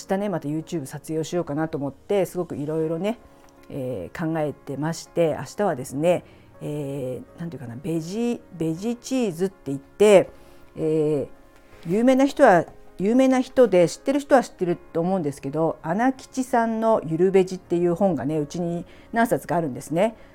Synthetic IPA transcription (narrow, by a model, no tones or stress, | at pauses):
aɕi̥t̪ane̞mat̪ajɯ̟ːt͡ɕɨːbɯ̟sat͡sɨjo̞ːɕijo̞ːkanat̪oːmo̞t̪ːe̞sɨɡo̞kɯ̟iɾo̞iɾo̞ne̞ | eːkãŋɡae̞t̪e̞maɕi̥t̪e̞a̰ɕi̥t̪aβ̞ad̪e̞sɨne̞ | eːnant̪oji̟kanabeʑibe̞ʑit͡ɕiːzɨt̪ːe̞it̪ːe̞ | eː | jɯːme̞ːnaçi̥t̪o̞βajɯːme̞ːnaçi̥t̪o̞d̪e̞ɕi̥t̪ːe̞ɾɯ̟ç̬i̥t̪o̞βaɕi̥t̪ːe̞ɾɯ̟t̪ːo̞ːmo̞ɯ̃nd̪e̞sɨ̥ke̞d̪o̞anakʲi̥t͡ɕisãnːo̞jɯ̟ɾɯ̟be̞ʑit̪ːe̞jɯ̟ːhõ̞ŋɡane̞ɯ̟t͡ɕiɲ̟i | nãɰ̃sat͡sɨɡaːɾɯ̟̃nd̪e̞sɨne̞